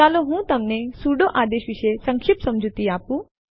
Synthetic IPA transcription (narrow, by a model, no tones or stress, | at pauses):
aloɦũːt̪ɐmnesuɖoʔad̪eɕʋiɕesəŋkʰipsɐmd͡ʑʱut̪iapũ